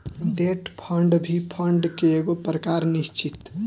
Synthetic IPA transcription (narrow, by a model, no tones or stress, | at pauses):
ɖeʈpʰəɳɖbʱipʰəɳɖkeeɡopɾəkaɾnist͡ʃit̪